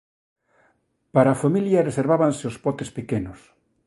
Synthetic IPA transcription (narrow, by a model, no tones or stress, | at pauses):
paɾaːfamiljɐreseɾβaβanseospɔt̪espekenʊs